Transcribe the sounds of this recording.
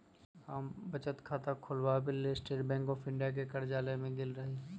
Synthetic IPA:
ɦaːmbɐt͡ʃət̪kʰaːt̪akʰʊlwabɪlːesʈeːɾbɛ̃ːŋkɔːfɪ̃ɳɖijak̬ekɐɾd͡ʒaːlemẽɡɪlɾɐɦi

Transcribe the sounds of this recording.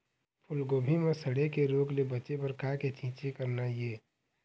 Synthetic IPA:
pʰʊlɡoːbʱimẽsəɽekeɾoːɡlebət͡ʃepəɾkaket͡ʃʰĩːt͡ʃekəɾnajeː

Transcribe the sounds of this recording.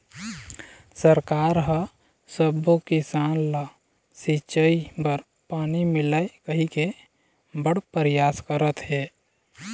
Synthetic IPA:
səɾkaɾɦə | səbokisanla | sit͡ʃəibəɾ | panimilaekəɦike | bəɽpəɾjaskəɾət̪ɦe

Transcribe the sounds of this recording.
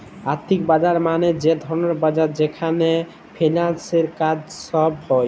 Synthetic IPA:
aɾt̪ʰːikbad͡ʒaɾmaned͡ʒed̪ʱɔɾɔneɾbad͡ʒaɾd͡ʒekʰane | pʰenalseɾkad͡ʒsɔbhɔj

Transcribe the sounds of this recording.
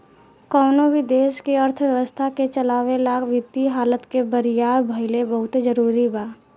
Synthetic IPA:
kɔːnobʱid̪eːʃkiəɾt̪ʰʋjəʋəst̪ʰaket͡ʃəlaːʋelaːɡʋɪt̪ːiɦaːlət̪kebəɾɪjaːɾbʱəɪlebɐɦʊt̪d͡ʒəɾuːɾibaː

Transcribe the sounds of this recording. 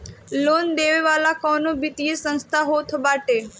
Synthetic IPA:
lond̪eʋeʋalakɔnõbit̪iesə̃nst̪ʰaɦot̪ʰbaʈe

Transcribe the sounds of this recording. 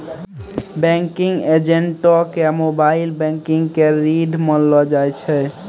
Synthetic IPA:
bɛ̃ŋkiŋɡed͡ʒeɳʈɔkejamobailbɛ̃ŋkiŋɡkeɾiɖʱmənlɔd͡ʒajt͡ʃʰɛ

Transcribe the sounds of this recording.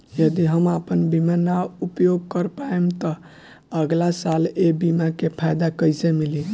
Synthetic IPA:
jəd̪iɦəmapənbimanaupjoɡ̚kəɾpaemt̪ɔ | əɡlasalebimakepʰajd̪akəjsemili

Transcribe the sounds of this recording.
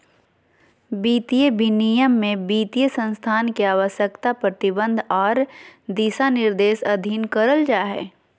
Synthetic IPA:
biːt̪ijəbʱinijəmːẽbiːt̪ijəsə̃nst̪ʰaːnkeaːʋəʃjəkt̪apɾət̪ɪbə̃nd̪ʱɔːɾd̪iːsanɪɾd̪eːsɐd̪ʱiːnkəɾəld͡ʒaːɦɛ̰ː

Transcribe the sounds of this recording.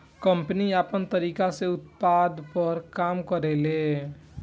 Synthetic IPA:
kəmpniapənt̪əɾikaseut̪pad̪ʱpəɾkamkəɾele

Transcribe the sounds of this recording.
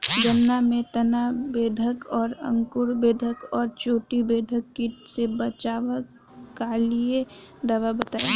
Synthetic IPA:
d͡ʒənːamẽt̪ənabeːd̪ʱəkɔːɾə̰̃ŋkʊɾbeːd̪ʱəkɔːɾt͡ʃoːʈibeːd̪ʱəkːisebət͡ʃaːʋə | kalie | d̪aːʋabət̪ai

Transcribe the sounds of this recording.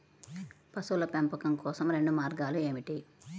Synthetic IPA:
pɐsulɐpempɐkɐmkɔːsɐmɾe̞ɳɖumaːɾɡaːlue̞ːmiʈi

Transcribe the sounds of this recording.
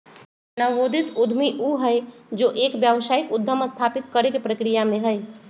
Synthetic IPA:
nəʋoːd̪ʱɪt̪ʊd̪ʱmiʔuɦəjd͡ʒoːʔeːkbjəʋsaːikʊd̪ʱːəməst̪ʰaːpɪt̪kəɾekepɾəkɾijamẽɦəj

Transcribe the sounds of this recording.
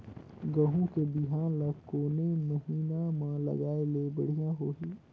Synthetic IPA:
ɡəɦũkebɪɦaːnləkoːneməɦiːnamãlə̰ɡaːelebɐɽ̤ijãɦoːɦiː

